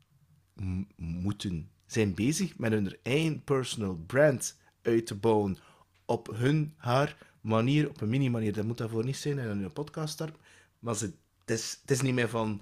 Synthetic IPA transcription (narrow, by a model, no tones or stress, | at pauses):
mutən | z̥ɛjnbeːzəxmɛtɦɵnərejənpəɹsɔnəlˠbrɛnt | œɥtəbɔwən | ɔpɦɵnhaːr | maniːɾɔpənminimaniːrdɑtmutaːrvoːrnisɛjnɛənɪnəpɔtkɑːststɑrpə | mazə | tɪstɪs̬nimɪːrvɑn